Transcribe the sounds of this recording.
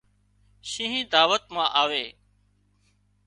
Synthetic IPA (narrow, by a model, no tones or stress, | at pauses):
ʃĩːɦĩːd̪aːʋət̪mãːʔaːʋeː